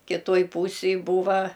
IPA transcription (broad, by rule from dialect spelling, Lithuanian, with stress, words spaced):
kʲɪˈtoːj puːsʲeːj ˈbuːʋɐ